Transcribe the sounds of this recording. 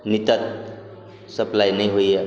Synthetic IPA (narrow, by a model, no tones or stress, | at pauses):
nit̪ʌt̪̚ | sʌplajnʌjɦoje